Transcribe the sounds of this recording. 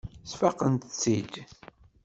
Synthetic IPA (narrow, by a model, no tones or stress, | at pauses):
sfaqənt̪ət͡sːid̪